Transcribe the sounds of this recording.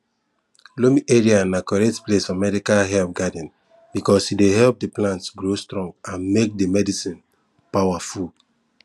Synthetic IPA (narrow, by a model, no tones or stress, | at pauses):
lomiʔeɹianakɔɹɛtplesɔ̃mɛdikalɦɛlp̚ɡadɛ̃n | bikɔshideɦɛlp̚deplãntsɡɹostɹɔ̃ŋɡãnmek̚demɛdisĩn | pawaful